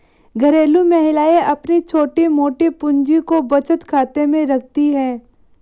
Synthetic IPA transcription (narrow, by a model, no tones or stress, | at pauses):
ɡʱɐɾeːlumɛɦɪlaːeʔɐpnit͡ʃʰoːʈimoːʈipʊ̃ɲd͡ʒikobɐt͡ʃət̪kʰaːt̪emẽɾɐk̚ʰt̪iɦɛ̃ː